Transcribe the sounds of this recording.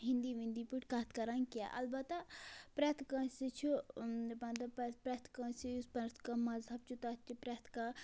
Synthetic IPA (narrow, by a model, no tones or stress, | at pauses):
ɦĩnd̪iʋĩnd̪ipuʈkat̪ʰkɐɾãnkia̰ʔɐ̰lbɐt̪apɾɐt̪ʰkãsit͡ʃʰubɐ̃nd̪ɐppɾɐt̪ʰkãsispɐɾt̪ʰkamɐzɦɐb̚t͡ʃʰut̪at͡ʃipɾɐt̪ʰka